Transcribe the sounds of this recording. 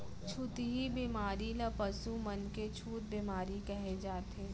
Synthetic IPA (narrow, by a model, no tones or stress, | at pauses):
t͡ʃʰut̪ɦibimaːɾilɐpɐsumɐnket͡ʃʰuːt̪̚bimaːɾikɐɦed͡ʒaːt̪eː